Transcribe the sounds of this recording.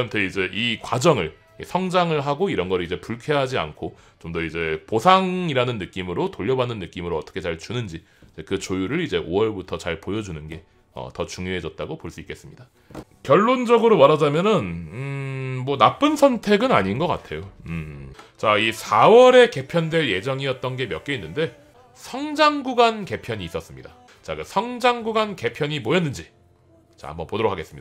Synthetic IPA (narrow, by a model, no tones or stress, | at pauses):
ntʰeid͡ʑe̞ʔikwad͡ʑʌŋɯɭ | isʰʌŋd͡ʑaŋɯɭɦaɡoiɾʌnɡʌɾɯɭid͡ʑe̞puɭkʰeɦad͡ʑia̰nkʰo | t͡ɕomdʌid͡ʑe̞posʰaŋiɾanɯnːɯk͈imɯɾotoʎːʌbanːɯnːɯk͈imɯɾoʌt͈ʌ̥kʰe̞t͡ɕaɭt͡ɕunɯnd͡ʑi | id͡ʑe̞kɯt͡ɕojuɾɯɾid͡ʑe̞ʔowʌɭbutʰʌt͡ɕaɭpojʌd͡ʑunɯnɡe̞ | ʌ̰tʌt͡ɕuŋjoɦe̞d͡ʑʌt̚t͈aɡopoɭs͈uik͈e̞s͈ɯmɲida | kjʌɭːond͡ʑʌɡɯɾomaɾad͡ʑamjʌnɯn | mwʌnap͈ɯnsʰʌntʰe̞ɡɯnaɲinɡʌk͈a̰tʰe̞joɯt͡ɕaisʰawʌɾe̞ke̞pʰjʌndwe̞ɭje̞d͡ʑʌŋijʌt̚t͈ʌnɡe̞mjʌk͈einːɯnde̞ | sʰʌŋd͡ʑaŋɡuɡanke̞pʰjʌɲiːs͈ʌs͈ɯmɲida | t͡ɕa̰kɯsʰʌŋd͡ʑaŋɡuɡanke̞pʰjʌɲimʌjʌnːɯnd͡ʑi | t͡ɕa̰a̰mbʌnpodoɾokʰaɡes͈ɯmɲidaa